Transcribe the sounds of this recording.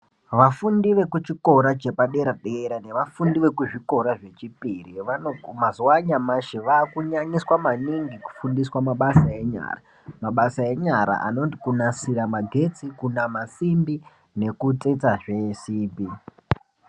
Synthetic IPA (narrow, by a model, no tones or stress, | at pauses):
ʋafundiʋe̞kut͡ʃiko̞ɾad͡ʒe̞paɗe̞ɾaɗeɾane̞ʋafundiʋe̞kuʐiko̞ɾaʐe̞t͡ʃipiriʋaomazuaɲamaʃeʋaːkuɲaɲiswamaniŋɡiku̥fundiswamaɓasae̞ɲa̰ːra | maɓasae̞ɲaɾa̰ʔa̰no̞ntikunasiɾamaɡʱe̞t͡sikunamasimbi | ne̞kut͡set͡saʐe̞siːpi